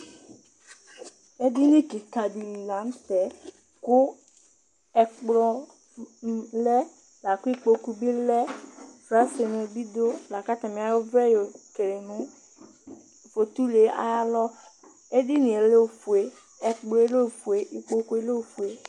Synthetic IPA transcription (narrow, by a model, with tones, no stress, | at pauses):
e˦di˦nĩ˦ki˨ka˨di˨li˨la˨˦m˦t̪ɛ˨˦ | kʊ˦ | ɛ˨k͡plɔ˦ | lɛ˦ | la˨ku˦i˦k͡po˨ku˦bi˦lɛ˦fɾa˦se˨nʊ̃˨bi˦d̪o˦la˨ka˦t̪a˨mĩ˨a˨jo˦vɛ˦jo˨ke˨ɾe˨nũ˦ | fo˨t̪u˦le˨a̰˨ja˦lɔ˦ | e˦di˦nĩ˨e˨le˦o˨fu˨e˦ | ɛ˨k͡plɔ˦e˦le˦˨fu˨e˨ʔi˨k͡po˦ku˦e˦le˦˨fu˨e˨˦